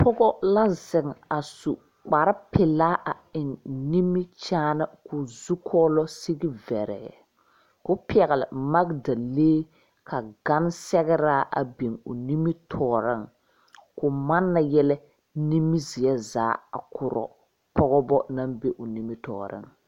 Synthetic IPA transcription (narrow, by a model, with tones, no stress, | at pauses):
pʰɔ˦ɡɔ˦la˦zɪ˨ŋa˨su˨ | k͡pa˨ɾɪ˦pɪ˨laː˦ʔa˨ɪ˨nni˦mi˦t͡ʃaː˦na˦kʰʊ˨zu˦kʰɔː˦lɔ˦si˦ɡi˦vɛ˨ɾɛ̰˨ | kʊ˦pi˦ɛ˨ɣɛ˨lɪ̰˨ma˦ɡda˨leː˦ | kʰa˨ɡa˦n˦sɛ˦ɣɛ˦ɾaː˦ʔa̰˨be˨ŋʊ˨ni˦mi˦tʰɔː˨ɾɪ˦ŋ | kʊ˨ma˦nːa˨jɛ˦lɛ˦ | ni˦mi˦zɪ˨ɛ˦zaː˨˦a̰˨kʰʊ˨ɾɔ̰˨ | pʰɔ˦ɣɔ˦bɔ˦na˦mbe˦ʔʊ˨ni˦mi˦tɔ̰ː˨ɾɪ̰˦ŋ